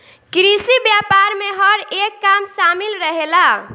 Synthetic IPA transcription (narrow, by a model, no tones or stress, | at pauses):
kɾisibjapaɾmeɦəɾekːamsamilɾəɦela